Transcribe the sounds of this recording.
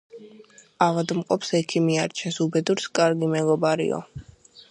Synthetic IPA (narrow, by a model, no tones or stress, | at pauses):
avad̪mqʼɔpʰsɛkʰimiaɾt͡ʃʰɛsubɛd̪uɾskʼaɾɡimɛɡɔbaɾḭɔ̰